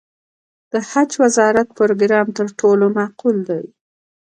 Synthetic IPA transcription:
d̪̥əhat͡ʃwazɑɾat̪̚poɾoɡɾɑmt̪əɾʈʰolomaquld̪aj

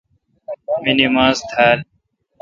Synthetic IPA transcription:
minimãːzt̪ʰaːl

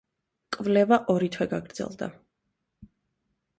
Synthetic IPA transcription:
kʼvlɛvaʔɔɾit̪ʰwɛɡaɡɾd̪zɛ̰lˠd̪a̰

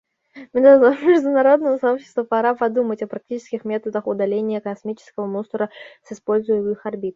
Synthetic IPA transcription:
mʲɪnmʲɪʐd̪ʊnɐɾo̞d̪nəvəsɐo̞pɕːɪ̥st̪vəpɐɾapɐd̪umətʲɐpɾɐk̚tʲit͡ɕɪ̥skʲɪxmʲe̞t̪əd̪əxʊd̪ɐlʲenʲɪjəkɐsmʲit͡ɕɪ̥skəvəmust̪ɾəsɨspo̞lʲzʊjɪmɨxɐrbʲit̪

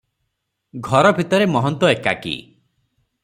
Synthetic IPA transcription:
ɡʱɔɾɔbʱit̪ɔɾemɔɦɔnt̪wɔeka̰kḭ

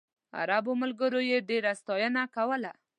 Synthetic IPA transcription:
a̰ɾaboməlɡəɾojeɖeɾast̪ɑjənakawəla

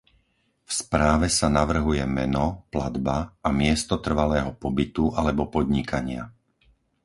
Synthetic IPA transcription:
fspɾaːʋɛsanaʋr̩ɦujɛmɛ̰nɔplad̪baːmɪɛst̪ɔt̪r̩ʋalɛːɦɔpɔbit̪ualɛbɔpɔd̪ɲikaɲɪa̰

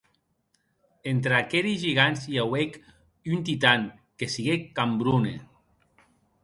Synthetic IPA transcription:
ent̪ɾakeɾizʒiɣanziawek | ynt̪̬it̪aŋkesiɣekːambɾunḛ

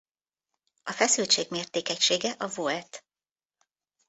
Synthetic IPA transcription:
ɒfɛsylt͡ʃeːɡmeːrt̪eːkɛcʃeːɡɛʔɒvoɛt̪

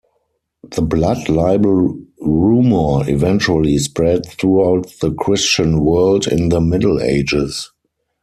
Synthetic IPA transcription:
ðəbladlaɪbəlɹuːmə˞ivɛ̃nt͡ʃuəlispɹɛdθɹuaʊtðəkʰɹɪst͡ʃə̃nwɜ˞ldɪ̰̃nðəmɪdl̩ḛɪd͡ʒɪs

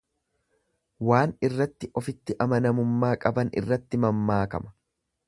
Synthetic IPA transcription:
waːnɪrːɐt̪ːɪʔɔfɪt̪ːɪʔɐmɐnɐmʊmːaːkʼɐbɐnɪ̰rːɐt̪ːɪmɐmːaːkɐmɐ̥

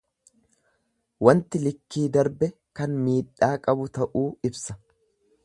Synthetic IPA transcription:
wɐnt̪ɪlɪkːiːd̪ɐɾbɛ | kɐnmiːᶑːaːkʼɐbʊt̪ɐʔuːɪbsɐ̥

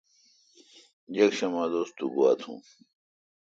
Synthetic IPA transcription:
d͡ʑɐkɕɐmaːd̪oːst̪uɡua̰ːt̪ʰṵ̃ː

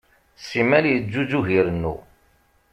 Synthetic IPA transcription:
simæljəzːuzuʝiɾənːṵ

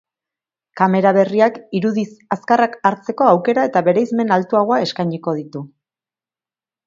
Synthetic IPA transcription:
kame̞ɾaβe̞riakiɾuðisaskarakaɾt͡se̞ko̞awke̞ɾae̞t̪aβe̞ɾe̞ijzme̞nalt̪uaɣo̞ae̞skajɲiko̞ð̞it̪u

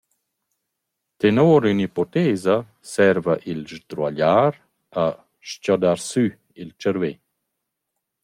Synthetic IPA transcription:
t̪enoːɾynipɔt̪eːza | sɛɾvaʔilʒd̪ɾwaʎaɾ | a | ʃcɔdaɾsy | ilt͡ʃəɾve

